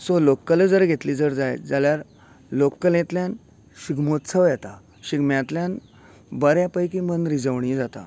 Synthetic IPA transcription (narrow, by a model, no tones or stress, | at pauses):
solokːələd͡zəɾɡʱet̪liːd͡zəɾd͡zajd͡zaljaɾ | lokːəlẽt̪ljãn | ɕiɡmot̪sʰəʋjɛt̪a | ɕiɡmjãt̪ljãn | bəɾjapəjkimənɾid͡zəʋɳ̃id͡zat̪a̰